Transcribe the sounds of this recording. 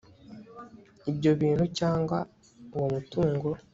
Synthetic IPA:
iɟːoβiːnucaːŋɡa | womutuːŋɡuo

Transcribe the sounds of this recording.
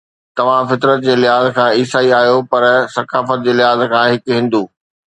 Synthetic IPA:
t̪ɐʋ̤ãfɪt̪ɾət̪̚d͡ʑeːlɪɦaːzkʰãːiːsaːiaːɦijopɐɾsɐkaːfət̪̚d͡ʑeːlɪɦaːzkʰãːɦɪkɦɪ̃nd̪uː

